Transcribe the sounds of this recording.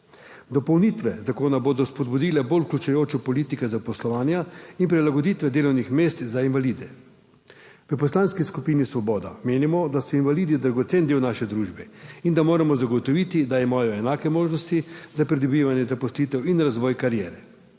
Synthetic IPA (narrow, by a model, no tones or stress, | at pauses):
d̪ɔpɔwnit̪ʋɛzakoːnaboːd̪ɔspɔd̪bud̪ilɛboluklʲut͡ʃajoːt͡ʃɔpɔliːt̪ikɛzapɔslɔʋaːnjainpɾilaɡɔd̪it̪ʋɛd̪eːlɔwnixmeːst̪zainʋalid̪ɛ | ʋəpɔslaːnskiskupiːnisʋɔbɔːd̪ameːnimɔd̪asɔinʋaliːd̪id̪ɾaɡɔt̪seːnd̪eːwnaːʃɛd̪ɾuːʒbɛind̪amoːɾamɔzaɡɔt̪ɔʋiːt̪id̪ajɛmaːjɔɛnaːkɛmoːʒnɔst̪izapɾid̪ɔbiʋanjɛzapɔsliːt̪ɛwinɾazʋɔːjkaɾjɛːɾɛ